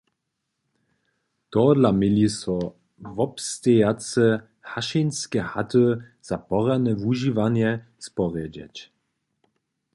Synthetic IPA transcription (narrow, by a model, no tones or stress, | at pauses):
t̪ɔd̪lamɪlisɔ | vɔpst̪ɛjat͡sɛ | haʃinskɛhat̪ə | z̥apɔʁanɛvuʒivanjɛ | spɔʁjɛd͡ʑɛ̰t͡ɕ